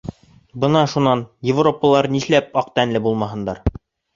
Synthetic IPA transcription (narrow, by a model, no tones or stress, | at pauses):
bɤ̆nɑʃunːɑnjɪvropːəlˠɑɾniʃlæp̚ɑqt̪ænlɘbulˠmɑɦɤ̆nd̪ɑɾ